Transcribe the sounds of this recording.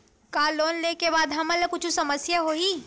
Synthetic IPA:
kaːloːnleːkebaːd̪ɦɐmɐləkʊt͡ʃʰũsɐməsjaɦoːiː

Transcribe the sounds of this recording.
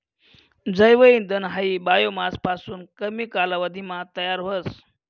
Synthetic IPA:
d͡zəjʋəind̪ənɦaibajomaspasuːnkəmiːkalaʋəd̪ʱimat̪əjaɾɦos

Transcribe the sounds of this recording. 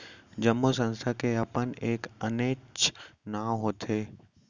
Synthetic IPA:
d͡ʒəmːosə̃nst̪ʰakeɐpəneːkəneːt͡ʃnaɦoːt̪ʰeː

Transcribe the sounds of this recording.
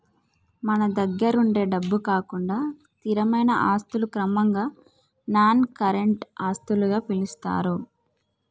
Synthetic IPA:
mɐnɐd̪ɐɡːɐɾuɳɖe̞ːɖɐbːukaːkuɳɖaː | t̪iɾɐmɐjnɐʔaːst̪ulukɾɐmɐŋɡaː | naːnkɐɾeɳʈaːst̪uluɡaːpilist̪a̰ːɾu

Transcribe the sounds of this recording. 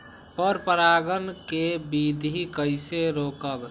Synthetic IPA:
pəɾpəɾaɡənkebid̪ʱikəɪseɾokəb

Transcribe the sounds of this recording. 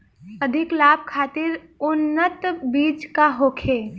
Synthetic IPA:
əd̪ʱɪklaːb̚kʰaːt̪ɪɾ | ʊnːət̪biːt͡ʃkaɦoːkʰeː

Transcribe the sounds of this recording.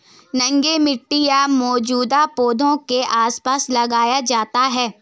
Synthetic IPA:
nɐ̃ŋɡemɪʈːijamɔːd͡ʒuːd̪apoːd̪ʱõkeʔaːspaːslɐɡaːjad͡ʒaːt̪aɦɛː

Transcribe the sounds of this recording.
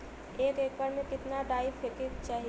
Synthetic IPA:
eːkeːk̚baːɾmẽkɪt̪naɖaːɪfɪkekt͡ʃaːɦi

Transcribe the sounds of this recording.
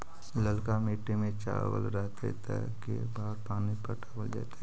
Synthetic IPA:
ləlkamiːʈːemẽt͡ʃa̰ːɾʋə̰lɾɛɦt̪ḛt̪ə̰ | kḛ | baːɾpaːnipəʈəbəld͡ʒa̰ːt̪e

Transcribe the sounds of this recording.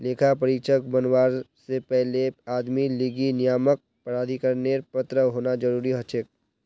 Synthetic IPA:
leːkʰapəɾiːt͡ʃək̚bənwaːɾsepɛɦleaːd̪miliːɡinijaːmək̚ | pəɾaːd̪ʱikəɾneːɾpət̪ɾəɦoːnad͡ʒɐɾuːɾiɦɐt͡ʃɪk̚

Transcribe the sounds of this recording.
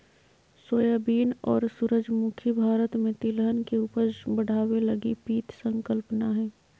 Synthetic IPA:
soːjabiːnɔːɾsuɾəd͡ʒmʊkʰibʱaːɾət̪mẽt̪ilɦənkeuːpəɾbəɽ̤aːwelɐɡipiːt̪sə̃ŋkəlpnaɦɛː

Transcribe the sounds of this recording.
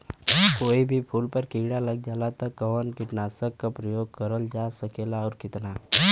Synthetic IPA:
koːibʱipʰuːlpəɾkiɽalɐɡd͡ʒaːlat̪ɐkːəʋənkɪʈnaːsəkːapɾəjoːɡ̚kəɾəld͡ʒasəkeːlaɔːɾkɪt̪na

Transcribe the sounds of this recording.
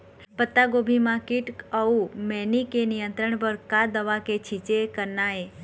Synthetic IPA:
pət̪ːaɡobʱimãkiʈəumɛnikenijənt̪ɾəɳpəɾkad̪əʋaket͡ʃʰit͡ʃekəɾnae

